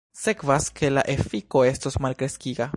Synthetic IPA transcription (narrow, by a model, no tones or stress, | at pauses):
se̞kvaskʰe̞laʔe̞fiko̞e̞stosmalkɾe̞skiɡa